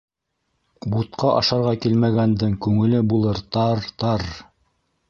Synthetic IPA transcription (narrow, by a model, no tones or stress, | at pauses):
but̪qɑʔɑʃɑɾʁɑkilmæɡænd̪ɘŋkʉŋɘ̆lɘbulˠɤɾt̪ɑɾt̪ɑɾ